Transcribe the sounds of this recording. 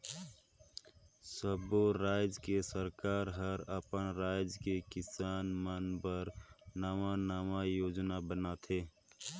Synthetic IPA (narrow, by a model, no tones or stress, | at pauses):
səboɾaːjd͡ʒkesəɾkaːɾɦəɾəpənɾaːɪd͡ʒkekɪsaːnmənbəɾnaːmanaːmajoːd͡ʒnabənat̪ʰeː